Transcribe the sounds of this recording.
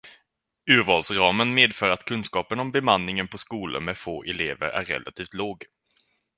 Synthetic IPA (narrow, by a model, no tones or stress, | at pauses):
ʉ̟ːɾvɑːlsɾɑːmənmeːd̪fœːɾat̪kʰɵnskɑːpənɔmbɛmanːɪŋənpʰɔskuːlə̰mɛfoːʔɛleːvə̰ɾæ̰ɾːɛ̰lʔa̰t̪ʰiːft̪loːɡ